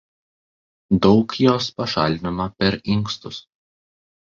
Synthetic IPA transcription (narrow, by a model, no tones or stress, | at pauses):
d̪ɒʊkjoːspɐʃɑ̰ːlʲd̪ʲɪnɐmɐpʲɛɾɪŋkst̪ʊs